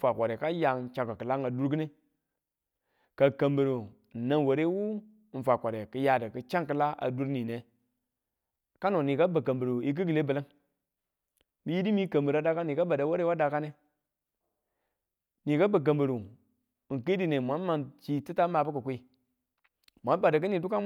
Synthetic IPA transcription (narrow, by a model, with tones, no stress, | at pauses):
fa˨kʷa˨ɾe˨ka˦ja˨t͡ʃa˨ka˨kə˨la˦ŋa˨du˦ɾɡi˦ne˦ | ka˨ka˨mbə˨ɾo˨ | na˦nwo˨ɾe˦wu˦ | n̩˨fa˨kʷa˨ɾe˨kə˦ja˨də˨kə˦t͡ʃa˦ŋkə˦la˦a̰˨du˦ɾni˨ne˨ | ka˦no˨ni˨ka˦ba˨ka˨mbə˨ɾo˨i˦k̬i˦ɡi˨le˦bə˨lə˦ŋ | mi˦ji˦di˦mi˦kə˨mbə˨ɾa˦da˦ka˦ni˨ka˦ba˨da˨˦wa˦ɾe˦wa˦da˨ka˦ne˦ | ni˨ka˦ba˨k̬a˨mbə˨ɾo˨ | ŋ˨ki˦di˦ne˨mʷ˨a˨˦n˦ma˨nt͡ʃi˦ti˦ta˦ma˨bə˦kə˨kʷe˦ | mʷ˨a˨˦n˦ba˨da˨kɨ˦ni˨du˦ka˦